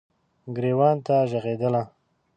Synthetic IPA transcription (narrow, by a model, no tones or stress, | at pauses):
ɡɾewɑnt̪aʒaɣed̪əla